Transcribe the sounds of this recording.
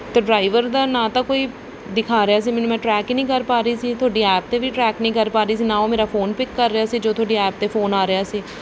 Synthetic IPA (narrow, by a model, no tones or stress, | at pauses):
t̪eːɖɾaːɪʋəɾd̪aːnãːt̪ãːkoːiː | d̪ɪkʰaːɾɪjaːs̬iːmɪnũmɛ̃ːʈɾɛːkinĩːkəɾpaːɾəiːsiːt̪ʰʊaːɖiːɛːp̚t̪eːʋiːʈɾɛːknəĩːkəɾpaːɾəiːsiːnãːoːmeːɾaːfʰoːnpɪkːəɾːɪjaːsiːd͡ʒoːt̪ʰʊaːɖiːɛːp̚t̪eːpʰoːnaːɾɪjaːsiː